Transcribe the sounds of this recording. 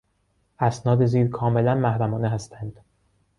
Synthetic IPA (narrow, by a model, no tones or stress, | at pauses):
ʔæsnɒːd̪eziːɾkʰɒːme̞lænmæhɾæmɒːneɦæst̪ʰænd̪̥